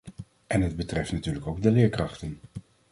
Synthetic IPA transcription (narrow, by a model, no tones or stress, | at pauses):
ʔɛnɦəd̚bətrɛftnatyːɹləkowɡ̚dəlɪːɹkrɑχtən